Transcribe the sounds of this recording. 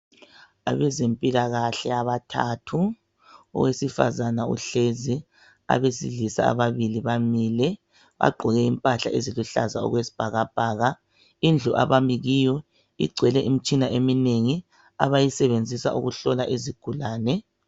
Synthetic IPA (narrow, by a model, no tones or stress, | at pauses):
a̰βɛzempʼilaɣaɬɛaβatʰa̰tʰu | ɔ̰ɣwesifa̰zanaṵɬezi | a̰βesiɮisa̰a̰βaβiliβamiːlɛ | βa̰ɡ͡ǃʱɔɣɛimpʼaɬa̰ʔeziluɬa̰zaɔ̰ɣwesi̥b̥ʱaɣab̥ʱaːɣa | ind͡ɮʱuʔa̰βamiɣijɔ | ḭɡ͡ǀʱwɛlɛʔimit͡ʃʼinaʔemineŋi | a̰βajisɛβend͡zʱisa̰ʔuɣuɬɔlaʔeziɡ̥ʱulaːnɛ